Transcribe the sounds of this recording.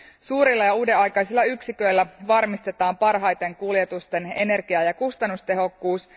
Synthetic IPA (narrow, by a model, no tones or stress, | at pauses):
suːɾilːɑjɑuːdeɑjkɑjsilːɑyksikø̞jlːæʋɑrmist̪e̞t̪ɑːmpɑrɦɑjt̪e̞ŋkuljet̪ust̪e̞ne̞ne̞rɡiɑjɑkust̪ɑnːust̪e̞ɦo̞kːuːs